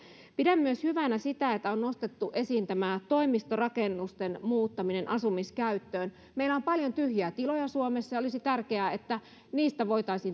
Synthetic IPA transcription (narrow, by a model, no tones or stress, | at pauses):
pidæmːyøshyʋænæsit̪æet̪ːæonnost̪et̪ːuʔesiːnt̪æmæt̪oimist̪orɑkenːust̪enmuːt̪ːɑminenʔɑsumiskæyt̪ːøːn | meilːˑæompɑljont̪yhjæt̪ilojɑsuomesːɑjɑolisit̪ærkeæet̪ːæ | niːst̪æʋo̞it̪ɑisiːn